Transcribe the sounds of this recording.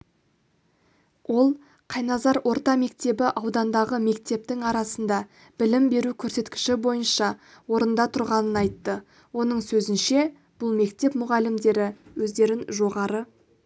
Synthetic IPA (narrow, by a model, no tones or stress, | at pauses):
wʔo̞lˠ | qʰɑjnɑzɑɾwʔo̞ɾt̪ɑme̞kt̪e̞bɪʔɑwd̪ɑnd̪ɑʁəme̞k̚t̪e̞p̚t̪ɪŋɑɾɑsənd̪ɑ | b̥ɪlɪmbe̞ɾukʲʰɵɾse̞t̪kʲɪ̥ʃɪbo̞jənʃɑ | wo̞ɾənd̪ɑt̪ʰʊɾʁɑnənɑjt̪ːə | wo̞nəɴsɵzɪnʃe̞ | b̥ʊlˠme̞kt̪e̞pmʊʁɑlɪmd̪e̞ɾɪwɵzd̪e̞ɾɪnʒo̞ʁɑɾə